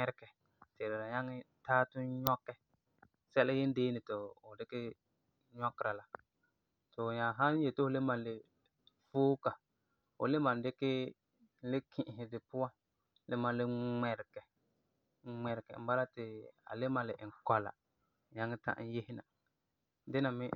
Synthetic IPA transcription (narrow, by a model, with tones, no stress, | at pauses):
ɛ˦ɾkɛ˨ | tɪ˨ɾɪ˨ɾa˨ja˦ŋɪ˦taː˦tʊ˦ɲɔ˦kːɛ˨ | sɛ˦lɪ˦jɪ˦n˦deː˦nɪ˨tʊ˨ʊ˨dɪ˦kɪ˦ | ɲɔ˦kːɪ˦ɾa˨la˨ | to˨ɲa˨ɦa˦n˦je˨tɪ˦ʊ˨le˦ma˨lɪ˨ | foː˦ka˨ | ʊ̰˨le˦ma˨n˦dɪ˦kɪ˦ | lɪ˦kʰi˦˨ʔɦɪ˨dɪ˨pʊ˦wa˦ | lɪ˦ma˨lɪ˦mɛ˨ɾɪ˨kɛ˨ | ŋ͡mɛ˨ɾkɛ̰˨m̩˦ba˦la˦tɪ˨a̰˨le˦ma˨lɪ˨ʔɪ˨ŋkɔ˨la̰˨ | ɲa˦ŋːɪ˦ta̰˦ʔn̩˦je˦hɪ˦na̰˨ | dɪ˦na˨mɪ˦